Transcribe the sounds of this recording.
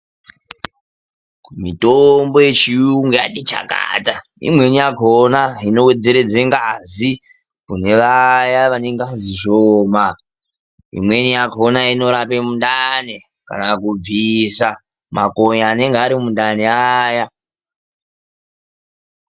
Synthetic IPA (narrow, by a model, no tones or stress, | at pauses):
mitombo̞jet͡ʃiuŋɡeja̰tit͡ʃa̰ka̰ːta | ḭmwe̞nijakʰonaino̞wed͡ze̞ɾe̞d͡zeŋɡazi | kune̞ʋajaʋane̞ŋɡaziʃoːma | ḭmwe̞nijakʰonaino̞ɾapemundane | ka̰nakub͡visa | makoɲaːne̞ŋɡeaɾimundaneaja